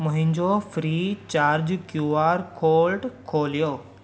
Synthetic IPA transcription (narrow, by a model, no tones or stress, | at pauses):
mʊ̃ɦɪ̃ɲd͡ʑofɾit͡ɕaːɾd͡ʑkjuːaːɾkʰoːlʈkʰoːlijoː